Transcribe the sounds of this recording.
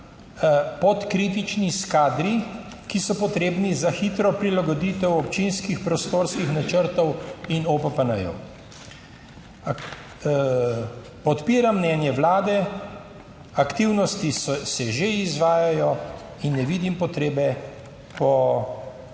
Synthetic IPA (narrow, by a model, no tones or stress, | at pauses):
pɔt̪kɾiːt̪̬it͡ʃniskaːd̪ɾi | kisɔpɔt̪ɾeːbnizaxit̪ɾɔpɾilaɡɔd̪iːt̪ɛwɔpt͡ʃinskixpɾɔst̪oɾskixnat͡ʃəɾt̪ɔwinopɛpanɐjɔ̰w | pɔt̪piːɾamːnɛːnjɛʋlaːd̪ɛ | akt̪iwnɔst̪issɛʒeizʋaːjajɔ | inːɛʋiːd̪impɔt̪ɾeːbɛ | pɔ